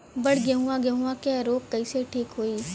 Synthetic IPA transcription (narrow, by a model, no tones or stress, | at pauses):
bɐɽ̤ɡɛɦũãɡɛɦũãkeɾoːk̚kɐiseʈʰiːkɦoːiː